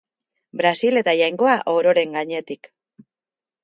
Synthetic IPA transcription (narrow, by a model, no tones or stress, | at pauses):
bɾasile̞t̪aʝajŋɡo̞aʔoɾo̞ɾe̞ŋɡaɲe̞t̪ik